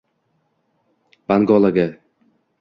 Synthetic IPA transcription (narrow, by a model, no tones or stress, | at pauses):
b̥aŋɡɒlˠaɡa